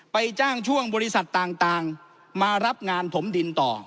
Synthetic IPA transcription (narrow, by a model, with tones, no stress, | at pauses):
pa˧jt͡ɕaː˥˩ŋt͡ɕʰu˥˩əŋbɔː˧ɾi˦˥sa˨˩t̪ːaː˨˩ŋt̪aː˨˧ŋ | maː˧ɾa˦˥p̚ŋaː˧nt̪ʰo˩˦mdi˧nt̪ɔː˨˩